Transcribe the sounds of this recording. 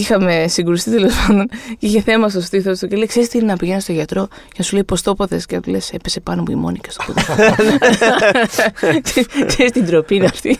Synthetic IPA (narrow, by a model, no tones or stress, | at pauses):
ixɐme̞siŋɡuɾist̪it̪elo̞spɐnd̪o̞niçe̞θe̞mɐs̬t̪o̞st̪iθost̪ucelejkse̞ɾist̪inenɐpiʝenst̪o̞ʝɐt̪ɾo̞cenɐsuleipo̞st̪o̞poðe̞scenɐt̪ule̞se̞pese̞pɐnomuḭmo̞̰nikɐ̥st̪opoð | ksekse̞ɾist̪ind̪ɾo̞pinɐft̪i